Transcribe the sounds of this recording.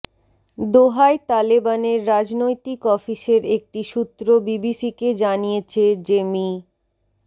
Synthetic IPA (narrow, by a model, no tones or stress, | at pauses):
d̪oɦaet̪alibaneɾːad͡ʑnojt̪ikɔfiʃeɾek̚ʈiʃut̪ːɾobibisiked͡ʑanijet͡ɕʰed͡ʑemi